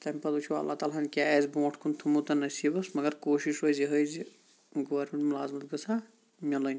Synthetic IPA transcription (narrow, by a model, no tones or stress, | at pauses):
t̪ɐmʲpɐt̪ut͡ʃʰuɐ̰lːa̰t̪aːlaɦɐnkʲaeːzbõːʈʰkʰunt̪ʰumut̪ɐnɐsiːbɐsmɐɡɐɾkoːʃiʃɦojziɦəjzi | ɡoʋɐɾmʲẽɳʈmulaːzmɐt̪ɡɐsʰa | mʲɐlonʲ